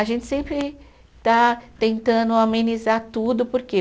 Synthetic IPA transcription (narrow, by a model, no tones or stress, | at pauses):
aʒẽnt͡ʃ̪ɪ̥sẽmpɾɪ | t̪at̪ẽnt̪ɐ̃nd̪ʊamẽnizaɾt̪ud̪ʊpoɾke